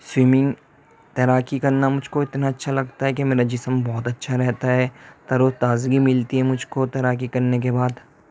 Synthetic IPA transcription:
swɪmɪ̃ŋɡ | t̪ɐɾaːkikɐɾnamʊd͡ʒʱkoɪt̪naɐtːʃʰalɐɡt̪aɦɛkemeːɾad͡ʒɪsmbɔːt̪ɐtːʃʰaɾɛɦt̪aɦɛːt̪ɐɾot̪aːzɡimɪlt̪iɦɛmʊd͡ʒʱkot̪ɐɾaːkikɐɾnek̬ebaːd̪

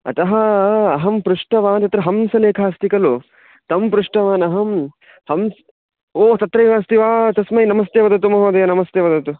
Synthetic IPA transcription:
ɐ̰t̪ɐɦɐɐɦɐmpɾuʂʈɐʋaːnt̪ɐt̪ɾɐɦɐmsɐleːkʰaːɐst̪ikɐlu | t̪ɐmpɾuʂʈɐʋaːnɐɦɐm | hɐms | oːt̪ɐt̪ɾɐjʋaːst̪iʋaːt̪ɐsmɐjnɐmɐst̪eːʋɐd̪ɐt̪umɐɦoːd̪ɐjɐnɐmɐst̪eʋɐd̪ɐt̪u

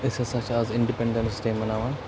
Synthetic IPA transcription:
ɪsesɐt͡ʃaːzɪ̃ɳɖipɛ̃ɳɖə̃ɳʈsʈeːmɐnaːʋan

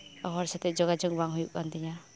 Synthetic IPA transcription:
ɔɦɔɾsat̪ɛd͡ʒɔɡad͡ʒɔŋbaŋɦujuk̚ːand̪iɲa

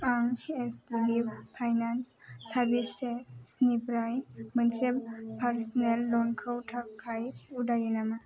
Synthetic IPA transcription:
aŋestibipʰajnansːaɾbisːesnipɾajmənseppʰaɾsnelːɔnkʰəwtʰakkʰːajudajinama

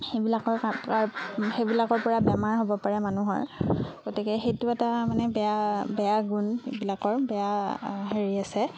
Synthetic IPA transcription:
xejbilakɔɹkakxejbilakɔɹpɔɹabɛmaɹɦobɔpaɹɛmanuɦɔ̰ɹɡ̥otikɛxejtʊɛtamanɛbɛjabɛjaɡunbilakɔɹbɛjaɦeɹiasɛ

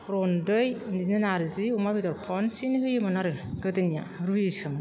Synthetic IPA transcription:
ɾɔndɯjninɯnaɾɯziumabidɔɾpʰɔnsinɦɯjɯmɯnaɾɯɡɯdɯnija̰ | ɾujɯsɯmɯ

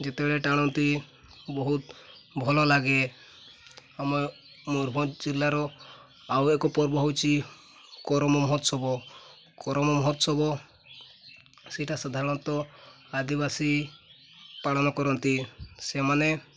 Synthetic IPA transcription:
d͡ʒet̪ebeɭeʈaɽ̃ɔnt̪i | bɔɦut̪̚bʱɔlɔlaɡe | ame | mɔɾbʱɔd͡ʒilːaɾɔ | awekɔpɔɾbɔɦɔwt͡ʃʰi | kɔɾɔmɔmɔɦɔt̪sɔbɔ | kɔɾɔmɔmɔɦɔt̪sɔbɔ | sɛʈasad̪ʱaɾɔɽ̃ɔnt̪ɔ | ad̪ibasi | paɭɔnɔkɔɾɔnt̪isemane

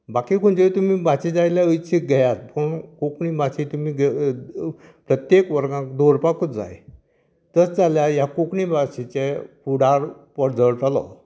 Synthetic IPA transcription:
bakikʰuɳd͡ʑeit̪umibat͡ɕid͡zajljaəjt͡ɕik̚ɡʱɛjat̪pəɳkokɳibat͡ɕit̪umiɡ | pɾət̪jekʋəɾɡãkd̪oɾpakəd͡za̰j | t̪ət͡sd͡zaljajakokɳibat͡ɕit͡ɕepuɽaɾpəɽd͡zəɭtalɔ̰

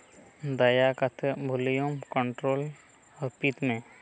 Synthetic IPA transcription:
d̪ɐjakət̪ʰbʱʊlijomkəɳʈɾoːl | ɔːɾpit̪mẽ

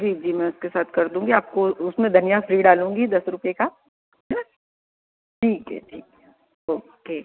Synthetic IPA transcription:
d͡ʒiːd͡ʒiːmɛ̃ʊskesaːt̪̚ʰkɐɾd̪ũːŋɡiaːp̚koʊsmẽd̪ʱɐnijafɾiːɖaːlũːŋɡid̪ɐsɾʊpeka | ɦɛ | ʈʰiːkɛ̰ʈʰḭːk | oːkeː

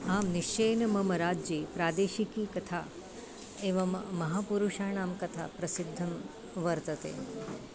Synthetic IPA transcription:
aːmniʃt͡ʃeːnɐmɐmɐɾaːd͡ʒeːpɾaːd̪eːʃikiːkɐt̪ʰaː | eːʋɐmːɐɦaːpuɾuʃaːɳaːmkɐt̪ʰa̰ːpɾɐsɪd̪ʱːɐm | ʋɐɾt̪ɐt̪ḛː

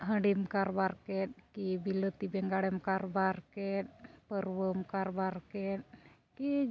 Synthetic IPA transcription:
ɦəɳɖimkaɾbaɾkɛt̪̚kibilət̪ibɛŋɡaɽɛmkaɾbaɾkɛt̪̚pəɾwəmkaɾbaɾkɛt̪̚ | ki

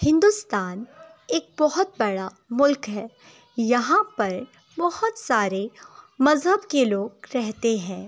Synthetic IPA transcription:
hɪ̃nd̪ust̪aːn | eːk̚bɐɦʊt̪̚bɐɽa | mʊlkɦɛː | jɐɦãpɐɾ | bɐhʊt̪saːɾemɐzɦəbkeloːɡɾɛɦt̪eɦɛ̃ː

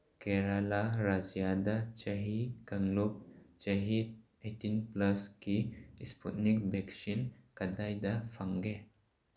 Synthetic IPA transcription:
keɾalaɾad͡ʒijadat͡ʃɐɦikɐŋlup̚d͡ʒɐɦid̚ | etinplɐskiispʰut̚nik̚beksinkɐdajdɐfʰaŋɡe

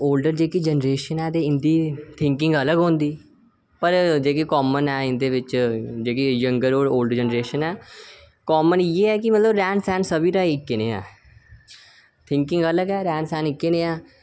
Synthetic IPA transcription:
oːlɖəɾd͡ʒeːkid͡ʒənɾeːʃənɛːd̪eːɪnd̪iːt̪ʰɪ̃ŋkɪ̃ŋɡələɡɦõːnd̪iː | pəɾd͡ʒeːkekɔːmənɛːɪnd̪eːʋɪt͡ʃd͡ʒeːkejəŋɡəɾoːɖoːlɖəɾd͡ʒənɾeːʃənɛː | kɔːmənieːɛːkɪmət̪ləbɾɛːnsɛːnsəbiːɾaːɪkːeneːɛ̰̃ː | t̪ʰɪ̃ŋkɪ̃ŋɡələɡɛːɾɛːnsɛːnɪkːeneːɛː

